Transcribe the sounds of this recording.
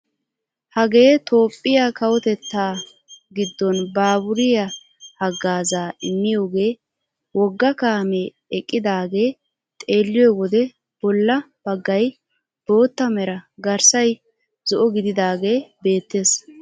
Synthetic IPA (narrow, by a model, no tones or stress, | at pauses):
hɐɡe̞ːt̪ʰo̞ːpʼːɪjakɐwɔt̪ɛt̪ːaː | ɡɪd̪ːɔnbaːbʊɾɪjɐ | hɐɡːaːzaːɪmːɪjoːɡe̞ː | wɔɡːɐkaːmɛː | kʼːɪd̪aːɡe̞ː | t̪ʼe̞ːlːɪjɔjwɔd̪ɛ | b̥ɔlːɐ | b̥ɐɡːɐj | b̥o̞ːt̪ːɐmɛɾɐɡɐɾsɐj | z̥ɔʔɔɡɪd̪ɪd̪aːɡe̞ːbe̞ːt̪ːe̞ːs